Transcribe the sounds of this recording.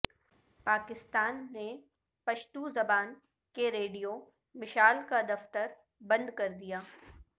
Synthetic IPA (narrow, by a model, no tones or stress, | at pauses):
paːkɪst̪aːnːe | pɐʃt̪uzɐbaːn | keɾeːɖijo | mɪʃaːlkad̪ɐft̪əɾ | bɐ̃nd̪kɐɾd̪ijaː